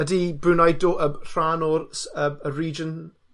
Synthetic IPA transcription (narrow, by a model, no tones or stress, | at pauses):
ədibɾunajdoʔər̥anɔɾsəəɹiːd͡ʒən